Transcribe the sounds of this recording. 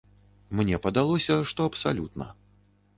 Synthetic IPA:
mnʲɛpɐd̪alˠɔsʲɐʂt̪ɔɐpsalʲut̪nɐ̰

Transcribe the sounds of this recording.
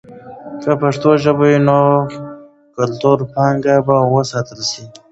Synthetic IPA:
kəpaʂt̪oʒəbaino | kalt̪uɾpɑŋɡabawəsɑt̪əlsi

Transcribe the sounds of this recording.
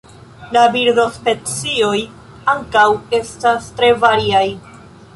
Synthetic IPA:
labiɾdo̞spe̞t͡sio̞j | aŋkawe̞stastɾe̞vaɾiaj

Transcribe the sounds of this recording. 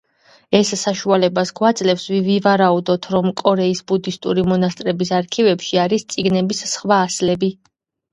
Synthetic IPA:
ɛsːaʃualɛbasɡwad̪zʼlɛfsvivivaɾaud̪ɔt̪ʰɾɔmkʼɔɾɛisbud̪ist̪ʼuɾimɔnast̪ʼɾɛbisaɾkʰivɛpʃiaɾist̪sʼiɡnɛbissχwaːslɛbi

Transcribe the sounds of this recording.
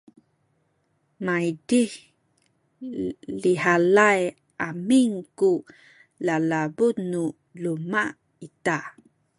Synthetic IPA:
maidih | liɦalaj | ʔamiŋku | lalabut̪nu | luma | it̪a

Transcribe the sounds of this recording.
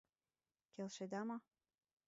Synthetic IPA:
kelʃed̪ɑmɑ

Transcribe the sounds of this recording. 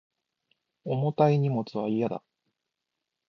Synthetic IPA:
o̞mot̪aiɲ̟imo̞t͡sɨβaijad̪a̰

